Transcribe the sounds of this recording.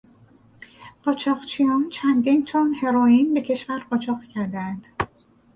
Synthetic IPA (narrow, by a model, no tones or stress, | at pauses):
ɢ̥ɒːt͡ʃʰɒːʁt͡ʃʰijɒːnt͡ʃʰænd̪int͡ʃʰonhe̞ɾɒːiːnbe̞cʰe̞ʃvæɾɢɒt͡ʃʰɒːqcʰæɾd̪eænd̪̥